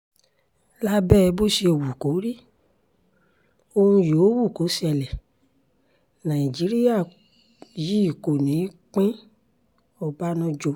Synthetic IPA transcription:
la˦bɛː˦˧bo˦ʃi˧o˨wu˨ko˨˦ɾi˦ | o˧hũ˧jo˨˦wu˦˨ko˨˦si˦ɛ˧lɛ˨ | nã˨ĩ˨d͡ʒi˨˦ɾi˦ja˦˨ | ji˦i˦˨ko˨nĩ˨˦k͡pẽ˦ | ɔ˦˨ba˦nɔ̃˧d͡ʒo˧

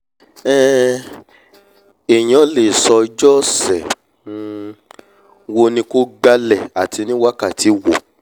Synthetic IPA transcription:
ɛ˦ | e˨j̃ɔ̃˨˦le˨sɔ˧d͡ʒɔ˦sɛ˨˧ | wo˧nĩ˧ko˦ɡ͡ba˧lɛ˨a˨tʰi˧nĩ˦wa˦ka˦˨tʰi˨˦wo˨

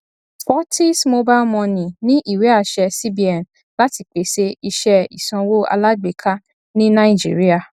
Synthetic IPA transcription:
spɔ˦ti˦smo˧ba˦mɔ̃˧nĩ˨nĩ˦ʔi˦˨we˨˦a˦˨ʃɛ˧si˦bi˨ɛ˨n | la˦ti˧k͡pe˨˦se˧i˧ʃɛ˦ḭ˨sã˧wo˦a̰˧la˦ɡ͡be˨kʰa˦ | nĩ˦nã˦i˦˨d͡ʒḭ˨˦ɾi˦a˧˨

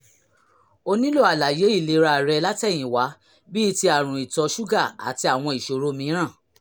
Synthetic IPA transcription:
o˧nĩ˦lo˦˨a˨la˨je˨˦i˦˨le˨˦ɾa˧˨ɾɛ˧la˦tɛ˦˨j̃ĩ˨wa˨˦ | bi˦˧˦ti˧a˨ɾ̃ũ˨i˨tɔ˨˧˦ʃu˦ɡa˦˨a̰˨ti˧a˨w̃ɔ̃˧i˨ʃo˨ɾo˨˦mĩ˧˦ɾ̃ã˦˨

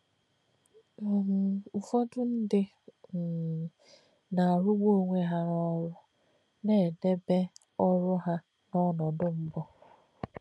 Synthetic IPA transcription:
m̩˨u˨fɔ˦dʊ˦n̩˦dɪ˦˨ | na˨ɾʊ˦ɡ͡bo˦o˦˨ŋʷe˦ɦa˨ɾɔ˦ɾʊ˦ | ne˦˨de˦be˦ | ɔ˦ɾʊ˦ɦa˦ | nɔ˦nɔ˨dʊ˦m̩˦bɔ˦

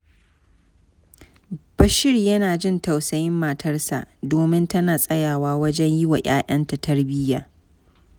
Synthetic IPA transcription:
b̥ɐ˨ʃɪ˦rjɐ˦naː˨d͡ʒɪ˦˨nta˨wsɐ˨jɪ˦mːaː˨tʰɐ˦rsa̰˨ʔdoː˨mɪ˦ntɐ˦naː˨sʼɐ˦jaː˨waː˦wɐ˦d͡ʒɛ˦ɲjɪ˦wa̰˨ʔaː˦ʔɐ˦nta˨tʰɐ˦rbɪ˦jaː˨

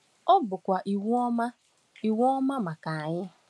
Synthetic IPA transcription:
ɔ˦bʊ˨kʷa˨ʔi˨wɔ˦ma˦ | i˨wɔ˦ma˦ma˨ka˨a˨ɲɪ˦

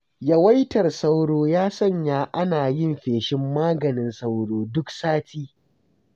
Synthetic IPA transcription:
jɐ˦wa˦jtɐ˨rsa˦wɽoː˦jaː˦sɐ˦˨ɲjaː˦˨ʔa˦naː˨jɪ˦mɸeː˨ʃɪ˦mːaː˦ɡɐ˨nɪ˨nsa˦wɽoː˨dʊ˦ksaː˦tiː˦

